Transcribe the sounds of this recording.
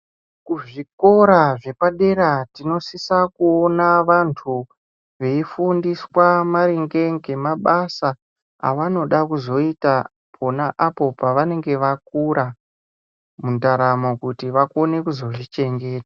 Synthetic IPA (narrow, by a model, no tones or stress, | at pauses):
kuʐiko̞ɾaʐe̞paɗe̞ɾatino̞sisakuonaʋantʰu | ʋe̞ifundiswamaɾiŋɡe̞ŋɡe̞maɓasa | a̰ʋano̞ɗakuzo̞ita | pʰo̞naʔapo̞paʋane̞ŋɡe̞ʋak̚uɾa | mundaɾamokutiʋakone̞kuzo̞ʐit͡ʃe̞ŋɡe̞ːtḁ